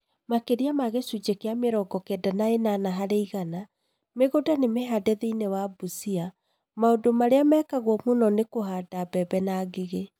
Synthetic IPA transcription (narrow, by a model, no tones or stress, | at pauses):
makeɾiamaɣesud͡ʒekeameɾɔɡɔkɛdanaenanaɦaɾeiɣana | meɣodanemeɦadɛðeinewabusia | maodomaɾeamɛːkaɣwɔmonɔnekoɦaːdabɛbɛnaɡeɣe